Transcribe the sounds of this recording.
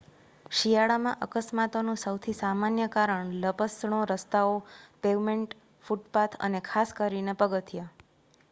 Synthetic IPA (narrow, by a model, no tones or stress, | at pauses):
ʃijaɭamã̰ʔəkəsmat̪onũsəwt̪ʰisamanjəkaɾəɳləpəsɳ̃oɾəst̪aopeʋmeɳʈ | fuʈpat̪ʰə̰nekʰaskəɾinepəɡət̪ʰja